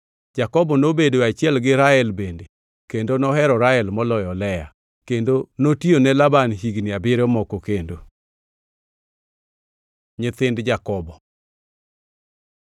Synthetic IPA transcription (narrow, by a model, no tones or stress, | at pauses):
d͡ʒakɔbɔnobedoat͡ʃɪɛlɡɪɾaɛlbende | kendonɔɦɛɾɔɾaɛlmɔlɔjɔlɛja̰ | kendonotionɛlabanɦiɡnɪabɪɾɔmɔkokendo | ɲɪt̪ɪndd͡ʒakɔbɔ